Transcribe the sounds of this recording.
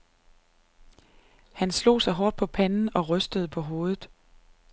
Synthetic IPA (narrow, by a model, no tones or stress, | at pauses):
hænslo̝̰ːsɑ̈ɪɦɒːd̥̚pʰɒ̽pʰænn̩ɒ̽ʁœsd̥əðˠpʰɒ̽ɦo̝ːð̞ˠð̩ˠ